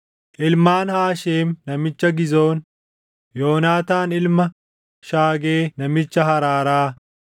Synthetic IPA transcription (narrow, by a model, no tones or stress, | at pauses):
ʔɪlmaːnhaːʃeːmnɐmɪt͡ʃːɐɡɪzo̞ːn | joːnaːt̪aːnɪlmɐ | ʃaːɡe̞ːnɐmɪt͡ʃːɐhɐɾaːɾaː